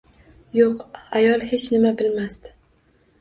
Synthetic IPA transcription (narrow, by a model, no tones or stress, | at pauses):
joqajɒlˠhet͡ʃnɪmabɪlmast̪ɪ̥